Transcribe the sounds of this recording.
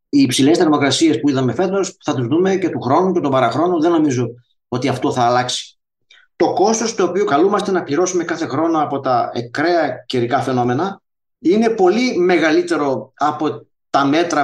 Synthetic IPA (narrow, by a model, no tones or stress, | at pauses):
iːpsile̞st̪emo̞kɾɐsie̞spuiðɐme̞fe̞t̪o̞sθɐt̪uzðume̞ce̞t̪uxɾo̞nuce̞t̪obɐɾɐxɾo̞nuðe̞no̞mizo̞ | o̞t̪iɐft̪o̞θɐːlɐksi̥ | t̪o̞ko̞st̪o̞st̪o̞ːpiokɐlumɐst̪e̞nɐpʎiɾo̞sume̞kɐθe̞xɾo̞nɐːpo̞t̪ɐḛkɾe̞ɐceɾikɐfe̞no̞me̞nɐ | ine̞po̞lime̞ɣɐlit̪e̞ɾo̞ɐpo̞ | t̪ɐme̞t̪ɾɐ